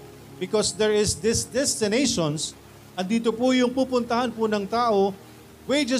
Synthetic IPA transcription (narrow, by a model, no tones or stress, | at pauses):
bɪkɔsd̪ɛɹɪsd̪ɛsd̪ɛst̪ɪnejʃons | ʔɐn̚d̪iːt̪opʊjʊŋpuːpʊnt̪ɐhanpʊnɐŋt̪aːʔo | wejd͡ʒɛ